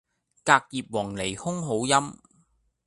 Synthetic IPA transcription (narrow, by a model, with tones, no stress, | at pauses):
kaː˧k̚jiː˨p̚wɔː˨˩ŋle˨˩jhʊ˥ŋɦo˨˥wjɐ˥m